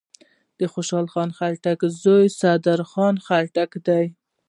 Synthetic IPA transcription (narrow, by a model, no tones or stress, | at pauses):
d̪̥əxoʃɑlxɑnxalʈakzojsad̪aɾxɑnxalʈakd̪aj